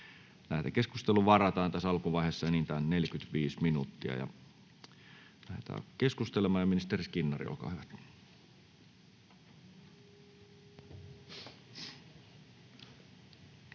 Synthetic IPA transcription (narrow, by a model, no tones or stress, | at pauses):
læhet̪ækeskust̪eluʋɑrɑt̪ɑːnt̪æsɑlkuʋɑˑiheːˑsːɑenint̪æːnneljkyt̪ʋiːsminṵt̪ːiɑ̰jɑ̰ | læhḛt̪æ̰ːkeskust̪elemˑɑːjɑminist̪eriskinːɑrḭo̰lkɑ̰hyʋæt̪